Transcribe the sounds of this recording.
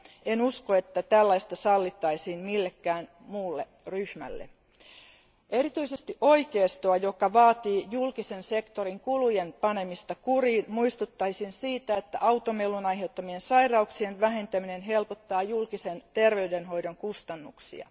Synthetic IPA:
enuskoe̞t̪ːæt̪ælːɑjst̪ɑsɑlːit̪ːɑisiːnmilːe̞kːæːn | muːlːe̞ | ryhmæ̰lːḛ | e̞rit̪yisest̪iʔo̞ikeːst̪oɑjo̞kɑʋɑːt̪iːjulkise̞nse̞kt̪o̞ɾiŋkulujenpɑne̞mist̪ɑkuriːnmuist̪ut̪ːɑisinsiːt̪æet̪ːæ̰ʔɑwt̪omelːunɑjɦe̞wt̪ːɑmie̞nsɑjrɑuksienʋæɦe̞nt̪æmine̞nɦe̞lpot̪ːɑːjulkise̞nt̪e̞rʋe̞yde̞nɦo̞jdoŋkust̪ɑnːuksḭɑ̰

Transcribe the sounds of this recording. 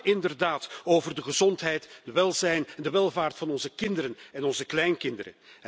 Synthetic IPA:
ɪndərdaːtoːvərdəχəzɔntɦɛjtdəʋɛlˠzɛjnndəʋɛlˠvaːrtfɑnɔnzəkɪndəɾənɛnɔnzəklɛjnkɪndəɾə̰n

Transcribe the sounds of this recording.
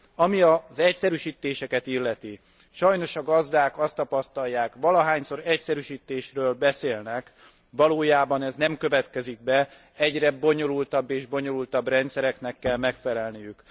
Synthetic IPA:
ɒmiɒzɛcsɛɾyʃiːt̪eːʃɛkɛt̪ilːɛt̪i | ʃɒjno̞ʃɒɡɒzd̪aːkɒst̪ɒpɒst̪ɒjːaːkʋɒlɒɦaːɲso̞ɾɛcsɛɾyʃiːt̪ːeːʃrøːlbɛseːlnɛk | ʋɒloːjaːbɒnɛznɛmkøvɛt̪kɛziɡ̚bɛ | ɛɟrɛbo̞ɲo̞lult̪ɒbːeːʒbo̞ɲo̞lult̪ɒbrɛnt̪sɛɾɛknɛkːɛlmɛkfɛlɛlnijyk

